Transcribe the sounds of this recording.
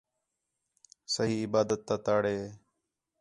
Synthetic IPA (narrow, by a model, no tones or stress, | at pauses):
səɦiːɪbaːd̪ət̪ːaːt̪aːɽeː